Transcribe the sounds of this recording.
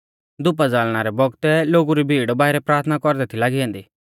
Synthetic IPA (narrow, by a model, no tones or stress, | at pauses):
d̪ʊp̬ad͡zaːlɽ̃aːɾɛbɔɡt̪ɛloːɡuɾibʱiːɽbaːɪɾɛpɾaːt̪ʰnakɔɾd̪ɛt̪ʰilaːɡiɛ̃ːnd̪iː